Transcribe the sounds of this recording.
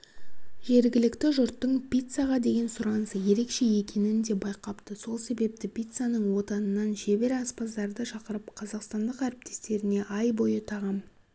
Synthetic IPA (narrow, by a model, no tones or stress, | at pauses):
ʒe̞ɾɡʲɪlɪkt̪ɪʒʊɾt̪ːəɴpʲijt̪saʁɑd̪e̞ɡʲe̞nsʊɾɑnəsəje̞ɾe̞kʃe̞je̞kʲʰe̞nɪnd̪e̞bɑjqɑpt̪əso̞lˠse̞be̞p̚t̪ɪpʲijt̪sanəɴwo̞t̪ɑnənːɑnʒe̞be̞ɾɑspɑzd̪ɑɾd̪əʃɑqəɾəp̚qʰɑzɑqst̪ɑnd̪əqæɾɪp̚t̪ʰe̞̥st̪e̞ɾɪne̞ʔɑjbo̞jət̪ʰɑʁɑm